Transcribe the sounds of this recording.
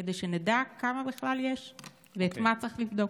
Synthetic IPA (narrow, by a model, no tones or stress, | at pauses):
ed̪ejʃenedakːamabeχlaljeʃ | veːt̪mat͡sʁiχlifd̪o̞